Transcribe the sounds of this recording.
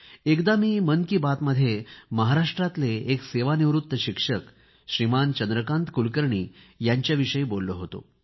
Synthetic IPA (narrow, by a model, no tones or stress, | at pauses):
ekd̪amiːmənkiːbat̪məd̪ʱjeməɦaɾaʂʈɾat̪leːkseʋaniʋɾut̪ːəɕikʂək | ɕɾimant͡ɕənd̪ɾəkãnt̪kulkəɾɳiː | jaɲt͡ɕjaʋiʂəiːbolːəɦot̪o̰